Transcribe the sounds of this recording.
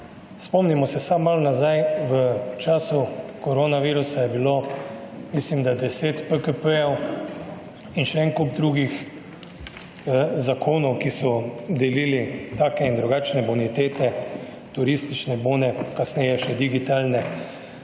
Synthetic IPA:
spɔmnimɔsɛsamːalnazajʋət͡ʃaːsukɔɾoːnaʋiːɾusajɛbiloː | mislimd̪ad̪ɛseːt̪pəkəpəjɛw | inʃɛɛŋkobd̪ɾuːɡix | zakʰoːnɔwkisɔd̪ɛliːlit̪aːkɛind̪ɾuɡaːt͡ʃnɛbunit̪eːt̪ɛ | t̪uɾist̪it͡ʃnɛboːnɛkasnɛjɛʃɛd̪iɡit̪aːlnɛ

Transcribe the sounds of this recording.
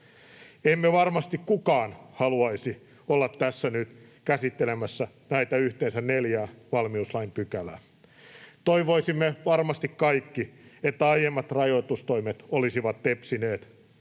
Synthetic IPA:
emːeʋɑrmɑst̪ikkukɑːnhɑluɑisi | olːɑt̪ːæsːænyt̪ | kæsit̪ːelemæsːæ | næit̪æyht̪eːnsænneljæːʋɑlmiuslɑimpykælæ̰ | t̪oiʋoisimːeʋɑrmɑst̪ikkɑikːiet̪ːæɑijemːɑt̪rɑjoit̪ust̪oimet̪olisiʋɑt̪t̪epsineːt̪

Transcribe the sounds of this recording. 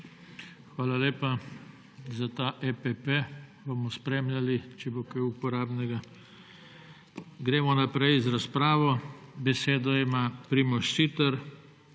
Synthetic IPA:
xʋaːlaleːpa | zat̪aːʔɛpɛpebɔmɔspɾeːmljʲalit͡ʃɛbokajupɔɾaːbnɛɡa | ɡɾeːmɔnapɾɛjzɾaspɾaːʋɔbɛseːd̪ɔimapɾimɔʃsit̪ɐɾ

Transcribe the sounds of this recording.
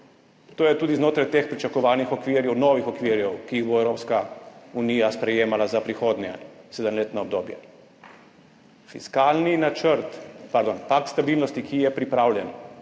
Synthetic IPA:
t̪oːjɛt̪uːd̪iznoːt̪ɾajt̪eːxpɾit͡ʃakɔʋaːlnixɔkʋiɾjɛwnoːʋixɔkʋiɾjɛwkiiɣboɛwɾoːpskaunijaspɾɛjeːmalazapɾixoːd̪njɛsɛd̪əmleːt̪naɔb̚d̪oːbjɛ̰ | fḭskaːlninat͡ʃəɾt̪paɾd̪onpakt̪st̪abilnɔst̪ikʰijɛpɾipɾaːwlʲjɛn

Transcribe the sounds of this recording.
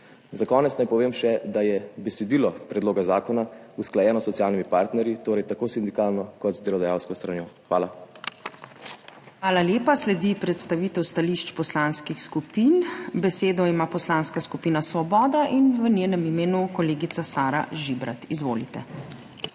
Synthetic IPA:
zakɔːnɛt̪snajpɔʋeːmʃɛd̪ajɛbɛsɛd̪iːlɔpɾɛd̪loːɡazaːkɔnausklajɛːnɔsːɔt̪sijaːlnimipaːɾt̪nɛɾjit̪oːɾɛjt̪akoːsind̪ikaːlnɔkɔt̪zd̪əɾɔd̪ajaːwskɔst̪ɾanjoːxʋaːla | xʋaːlaljeːpaslɛd̪ipɾɛt̪st̪aʋiːt̪ɛwst̪aliʃt͡ʃpɔslaːnskixskupiːnbɛseːd̪ɔimaːpɔslaːnskaskupiːnasʋɔbɔːd̪aʔinʋənjeːnɛmimeːnukɔleːɡit̪sasaːɾa̰ʒibɾa̰t̪izʋoːlit̪ɛ

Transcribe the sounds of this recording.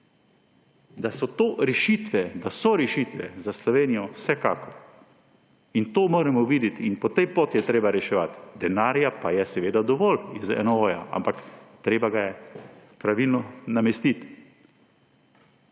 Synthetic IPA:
d̪asɔt̪oːɾɛʃit̪ʋɛd̪asɔɾɛʃit̪ʋɛ̰zaslɔʋeːnijɔwsɛka̰ːkɔ | int̪oːmoːɾɛmɔʋiːd̪ɛt̪inpɔt̪ɛjpoːt̪jɛt̪ɾeːbaɾɛʃɛʋat̪d̪ɛnaːɾjapajɛsɛʋeːd̪ad̪ɔʋɔlizɛ̰nɔoːja̰ʔa̰mpakt̪ɾeːbaɡajɛpɾaʋilnɔnamɛst̪it̪

